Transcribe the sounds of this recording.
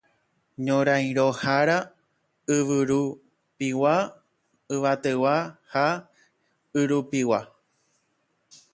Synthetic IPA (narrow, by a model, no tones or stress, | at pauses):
ɲõɾãj̃ɾohaɾa | ɨʋɨɾu | piwa | ɨʋat̪ewaha | ɨɾupiwa